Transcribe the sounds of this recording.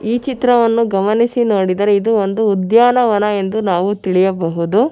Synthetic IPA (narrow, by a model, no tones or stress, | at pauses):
iːt͡ʃit̪ɾɐʋɐnːuɡɐmɐnisinoːɽid̪ɐɾe̞id̪uond̪uːd̪jaːnɐʋɐnɐe̞nd̪unaːʋut̪iɭijɐbɐɦud̪u